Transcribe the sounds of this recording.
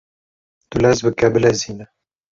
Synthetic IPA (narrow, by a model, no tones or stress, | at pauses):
t̪ulɛzbɨkɛbɨlɛziːnɛ